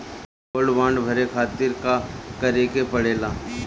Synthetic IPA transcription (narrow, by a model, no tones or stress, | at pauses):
ʊlʋãːɳɖbʱɐɾekʰaːt̪ɪɾkakɐɾeːkepɐɽeːlaː